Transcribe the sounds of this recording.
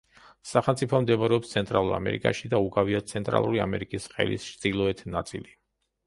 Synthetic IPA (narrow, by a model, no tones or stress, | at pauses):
saχɛlˠmt̪sʼipʰɔmd̪ɛmaɾɛɔpst̪sʰɛnt̪ʼɾalˠuɾa̰mɛ̰ɾḭkʼaʃid̪auɡaviasʰɛnt̪ʼɾa̰lˠuɾia̰mɛɾikʼisχɛ̰lḭst͡ʃ̪ʼilˠɔɛt̪ʰnat̪sʼili